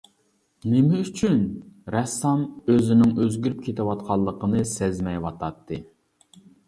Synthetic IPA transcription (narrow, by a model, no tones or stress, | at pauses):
nɪmɪyt͡ʃʰynɾɛsːɑmøzɪnɪŋøzɡʲyɾyp̚kʲʰet̪ɪwɑt̪̚qʰɑlˠːəqənɨsɛzmɛjwɑt̪ʰɑt̪ʰːɨ